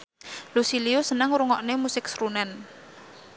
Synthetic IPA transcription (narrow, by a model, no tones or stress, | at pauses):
lusiliusənəŋɾuŋɔʔnemusɪk̚sɾunɛn